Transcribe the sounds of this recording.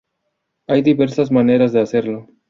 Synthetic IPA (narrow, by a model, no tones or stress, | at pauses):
ajd̪ibe̞ɾsazmane̞ɾazd̪ease̞ɾlo